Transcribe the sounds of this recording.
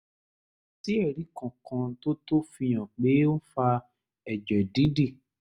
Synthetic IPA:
ti˦ɛ˦˨ɾi˨˦kã˨kã˧˦to˦to˦fi˧j̃ã˨k͡pe˨˦o˦fa˧ | ɛ˨d͡ʒɛ˨di˨˦di˦˨

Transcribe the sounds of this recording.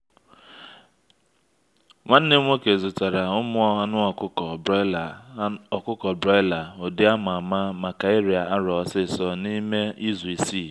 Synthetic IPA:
ŋʷa˦n̩˦ne˦ŋʷo˦ke˨zʊ˨ta˨ɾa˨ʊ˦mʊ˦ɔ˦a˦nʊ˦ɔ˨kʊ˦kɔ˨˦lɔ˨kʊ˦kɔ˨bɾɔ˦la˨o˨dɪ˦a˦mʊ˨a˨ma˦ma˨ka˨e˦ɾi˨a˨a˦ɾɔ˨˦sɪ˦˨sɔ˦ni˦me˦i˦zu˨i˨si˦˨

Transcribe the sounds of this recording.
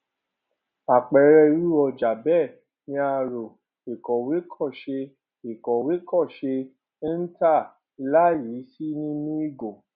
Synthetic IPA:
a˨k͡pɛ˨˦ɾɛ˧˦ɾu˦ɔ˧d͡ʒa˨bɛ˦˨ | nĩ˧a˧ɾo˨ | e˨kɔ˨we˨˦kʰɔ˦˨ʃe˧ | e˨kɔ˨we˨˦kɔ˦˨ʃe˧˦ | n̩˦ta˦˨˧ | la˦ji˨˦si˦nĩ˦nũ˦i˦˨ɡo˨

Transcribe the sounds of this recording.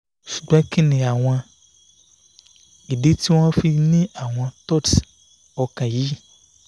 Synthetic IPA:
su̥˨ɡ͡ba˦ke˦nẽ˨a˨w̃ã˨ | e˨ɖe˦t̪i˦w̃ã˦fi˦nẽ˦ʔa˨w̃ã˨t̪ɔ˦t | ɔ˨kã˨ji˦

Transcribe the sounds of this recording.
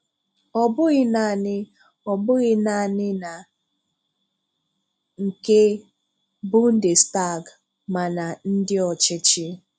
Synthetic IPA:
ɔ˨bʊ˦ɣɪ˦na˨nɪ˦ | ɔ˨bʊ˦ɣɪ˦na˨nɪ˦na˨ | ŋ̩˨ke˦ | bʊ˦n̩˦dɪ˨sta˦˨ɡ | ma˨na˨n̩˦dɪ˦ɔ˨t͡ʃɪ˦t͡ʃɪ˦

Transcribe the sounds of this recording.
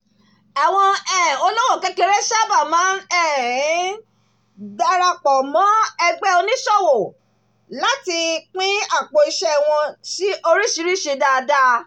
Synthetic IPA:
a˨w̃ɔ̃˧ɛ˦˨o˧lɔ̃˦wo˦˨kɛ˧˦ke˧˦ɾɛ˦ʃa˦˨ba˦˨mã˨˦nɛ˦˨˦ | da˧ɾa˧k͡pɔ˨mɔ̃˨˦ɛ˧ɡ͡bɛ˦o˧nĩ˦ʃɔ˦˨wo˨ | la˦ti˧k͡pĩ˦a˦˨k͡po˧i˧ʃɛ˦˨w̃ɔ̃˧ti˦ʔo˧ɾi˦ʃi˨˦ɾi˦ʃe˧da˧da˧˦

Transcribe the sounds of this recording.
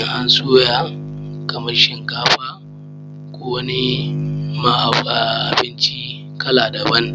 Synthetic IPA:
ŋʔa˦nsuː˦jaː˨kɐ˨mɐ˦rʃɪ˨ŋkaː˦ɸaː˦ | kʷoː˦wɐ˦ni˦ma˨ʔa˨ɸa˨ʔa˨bɪ˦nt͡ʃi˦ | kɐ˦laː˨dɐ˨bɐ˦n

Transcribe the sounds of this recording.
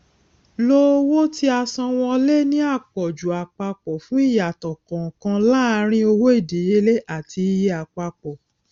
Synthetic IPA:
lo˦wo˦ti˦a˧sɔ̃˧w̃ɔ̃˧le˦nĩ˦a˦˨k͡pɔ˨d͡ʒu˨a˨k͡pa˧k͡pɔ˨fũ˦i˦˨ja˨tɔ˨kɔ̃˨kã˧la˦a˧ɾ̃ĩ˦o˧wo˦e˦˨de˨je˧˦le˦ʔa˦˨tʰi˧je˦a˨k͡pa˧k͡pɔ˨

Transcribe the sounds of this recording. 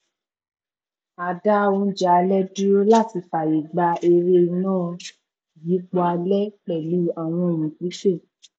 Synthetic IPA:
a˨da˦o˧˦d͡ʒa˨˧lɛ˦du˦o˦la˦˨ti˧fa˨ji˨ɡ͡ba˧e˧ɾe˧i˧nãː˦˨ | ji˨˦k͡pɔ˧a˧lɛ˦k͡pɛ˨lu˦a˧˨w̃ɔ̃˧˨jĩ˨ki˨˦ʃe˦˨

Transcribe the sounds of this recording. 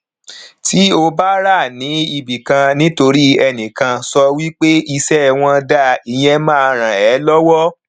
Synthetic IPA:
ti˨˦o˧ba˦ɾa˦˨nĩ˨˦i˧bi˨kã˧nĩ˦to˧ɾi˦ɛ˧nĩ˨kã˧sɔ˧wi˦k͡pe˦i˧sɛ˦˨w̃ɔ̃˧da˦˨i˨j̃ɛ̃˧mã˦a˧ɾ̃ã˨ɛ˨˦lɔ˦wɔ˦

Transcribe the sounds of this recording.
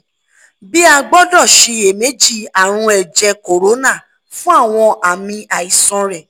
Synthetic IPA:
bi˦a˧ɡ͡bɔ˦dɔ˦˨ʃi˧e˨me˨˦d͡ʒi˦˨a˨ɾ̃ũ˧ɛ˨d͡ʒɛ˧ko˨ɾo˨˦na˦˨ | fũ˦a˦˨w̃ɔ̃˧ʔa˨mĩ˧a˨i˨sɔ̃˧ɾɛ˨

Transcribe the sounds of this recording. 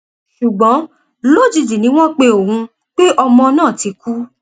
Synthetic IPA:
ʃu˨ɡ͡bɔ̃˨˦ | lo˦˨d͡ʒi˨˧d͡ʒi˨nĩ˨˦w̃ɔ̃˦k͡pe˧o˨hũ˧ | k͡pe˦ʔɔ˧mɔ̃˧nãː˦˨ti˧ku˦

